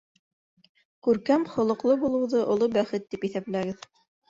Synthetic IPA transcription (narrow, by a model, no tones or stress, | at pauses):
kʉɾkæmχŏlˠɤ̆qlˠɤbulˠɤ̆wðɤʔŏlˠobæχɘt̪ːipiθæplæɡɘð